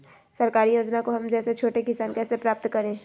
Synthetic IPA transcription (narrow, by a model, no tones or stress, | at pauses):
sɐɾkaːɾijoːd͡ʒnakoɦɐmd͡ʒɛːset͡ʃʰoːʈekɪsaːnkɛːsepɾaːp̚t̪kɐɾẽː